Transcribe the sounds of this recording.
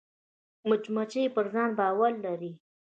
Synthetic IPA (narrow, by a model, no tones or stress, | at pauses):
mʊt͡ʃmat͡ʃepəɾzɑnbɑwaɾːaɾi